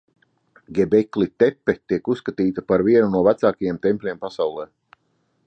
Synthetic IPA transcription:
ɡʲɛbɛklit̪ɛpːɛt̪iɛkusːkat̪iːt̪apaɾviɛnunuɔvæt̪saːkajeɛmt̪ɛmpʲlʲiɛmpasawlˠɛː

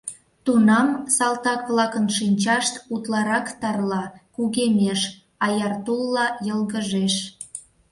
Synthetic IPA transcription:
t̪unɑmsɑlt̪ɑkβlɑkənʃinʲt͡ɕɑʃt̪ut̪lɑɾɑkt̪ɑrlɑkuɣemʲeʃ | ɑjɑrt̪ulːɑjəlɣəʒeʃ

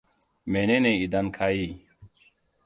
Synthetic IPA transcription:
meneneid̪ɐnkʰaːi

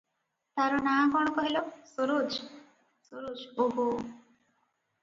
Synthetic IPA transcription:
t̪aɾɔnakɔɽ̃ɔkɔɦilosoɾod͡ʒ | soɾod͡ʒoɦo

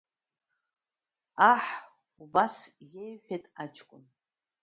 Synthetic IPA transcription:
aħ | ubasjejħʷᶣetʼat͡ʃʰʼkʷʼʊn

